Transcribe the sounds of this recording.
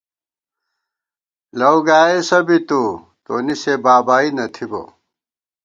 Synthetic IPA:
lɐwɡaːesɐbit̪u | t̪oːnisebaːbaːinɐt̪ʰibo̰

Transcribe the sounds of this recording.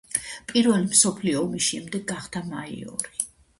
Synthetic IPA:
pʼiɾvɛlimsɔpʰliɔːmiʃɛmd̪ɛɡ̚ːaχd̪̥amaḭɔ̰ɾi

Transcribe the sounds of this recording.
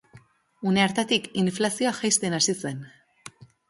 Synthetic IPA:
uneaɾt̪at̪ikiɱflasio̞axajst̪e̞nasise̞n

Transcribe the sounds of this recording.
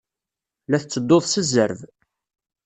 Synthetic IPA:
læθt͡sːəd̪ːoðˤsəzːəɾv

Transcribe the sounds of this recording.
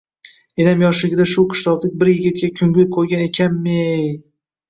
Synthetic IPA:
ed̪amjɒʃlɪɡʲɪd̪aʃʊqʰɨ̥ʃlˠɒt̪lˠɪk̚ʲbɪɾjɪɡʲɪt̪̚kʲakʲʰʊŋɡʲʊlʲqʰoɾɡʲanekʲʰanmej

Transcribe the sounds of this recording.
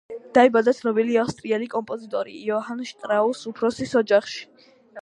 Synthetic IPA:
d̪̥aibad̪at̪sʰnɔbiliast̪ʼɾiɛlikʼɔmpʼɔzit̪ʼɔɾḭːɔɦanʃt̪ʼɾausupʰɾɔsisɔd͡ʒaχʃi̥

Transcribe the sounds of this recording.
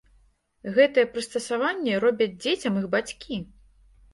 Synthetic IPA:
ɣɛt̪ɨjɛpɾɨst̪ɐsavanʲːɛɾɔbʲɐd͡zʲd͡zʲet͡sʲɐmiɣbat͡sʲkʲi

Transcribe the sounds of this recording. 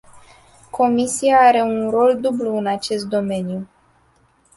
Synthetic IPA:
kʰo̞misiaaɾe̞unro̞ld̪ubluɨnat͡ʃe̞st̪̚d̪o̞me̞nju

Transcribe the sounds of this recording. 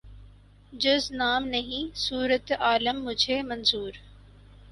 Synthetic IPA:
d͡ʑʊznaːmnɐɦĩsuːɾət̪aːləmːʊd͡ʒʱemɐnzuːɾ

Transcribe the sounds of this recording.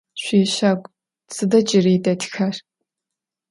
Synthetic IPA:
ɕʷeːɕɐkʷʼ | t͡sɨdɐt͡ʃʼɪriːdʼɐtʰxɐr

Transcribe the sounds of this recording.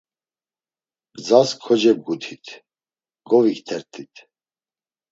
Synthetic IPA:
ɡ̥d͡zaskʰɔd͡ʒɛb̚ɡut̪ʰit̪ʰ | ɡ̥ɔvikt̪ʰɛɾt̪ʰʼit̪ʰ

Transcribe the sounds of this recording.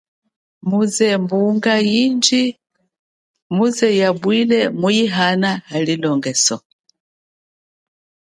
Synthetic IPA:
muzɛmbuŋɡajind͡ʒi | muzɛjabwilɛmujiɦanahalilɔŋɡɛsɔ

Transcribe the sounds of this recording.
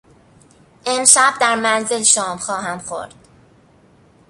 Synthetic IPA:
ʔe̞mʃæb̚d̪æɾmænzelʃɒːmxɒːɦæmxo̞̰ɾd̪̥

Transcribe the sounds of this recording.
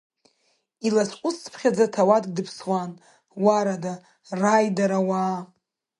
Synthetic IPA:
ilasʷʼqʷʼʊst͡spʰχʲad͡zatʰawadkʼdɨpʰswan | waɾada | rajdaɾawaː

